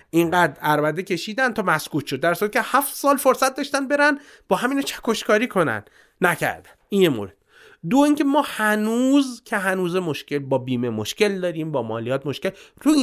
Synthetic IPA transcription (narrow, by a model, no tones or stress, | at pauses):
ʔiŋɢæːd̪ɾæɾbæd̪ecʲʰe̞ʃiːd̪ændt̪ʰɒːmæskuːt̪ʰʃod̪ːæɾsuɾæt̪kcʰehæft̪sɒːlfo̞ɾsæt̪̚d̪ɒːʃt̪ænd̪be̞ɾæn | bɒːɦæmiːnɒːt͡ʃʰæ̥kʰoʃkʰɒːɾiːkʰo̞næ̰n | næcʰæ̰ɾd̪æn̥injemo̰ɾed̪̥ | d̪oiːŋcʰemɒːhænuːzcʰe̞ɦænuːzemoʃcʲe̞lbɒːbiːmemoʃce̞ld̪ɒːɾiːmbɒːmɒːlijɒːt̪̚mo̞ʃkelɾuːi